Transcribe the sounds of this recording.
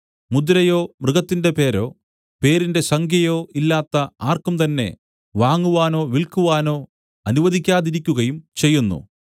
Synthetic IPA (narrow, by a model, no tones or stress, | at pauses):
mud̪ɾɐjo̞ːmrɨɣɐt̪ːinde̞pe̞ːɾo̞ː | pe̞ːɾinde̞sɐŋɡʰʱjɐjo̞ːilːaːt̪ːɐaːrkumt̪ɐnːe̞̰ | ʋaːŋːuʋaːno̞ːʋiɭkuʋaːno̞ː | ɐnuʋɐd̪ʱikʲːaːðiɾikʲːuɣɐjumt͡ɕe̞jːunːṵ